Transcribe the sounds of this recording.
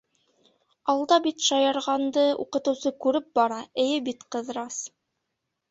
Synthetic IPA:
ɑlˠd̪ɑbit̪ʃɑjɑɾʁɑnd̪ɤṵqɤ̆t̪ɤ̆wsɤkʉɾɘp̚bɑɾɑɘ̆jɘbit̪qɤ̆ðɾɑs

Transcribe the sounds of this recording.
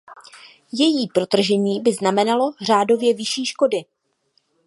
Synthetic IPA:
jɛjiːpɾo̞t̪r̩ʒɛɲiːbɪznamɛnalo̞r̝aːdo̞vjɛvɪʃiːʃko̞dɪ

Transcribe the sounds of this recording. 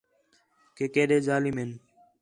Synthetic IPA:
keːkeːɗeːd͡ʒaːlimen

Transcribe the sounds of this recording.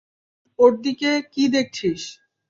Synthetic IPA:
oɾd̪ikekid̪ek̚t͡ɕʰiʃ

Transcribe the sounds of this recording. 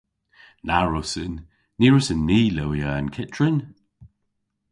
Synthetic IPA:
naɹʊsənː | iːɹʊsənːiːləwiəːənkʰɪtʰɹən

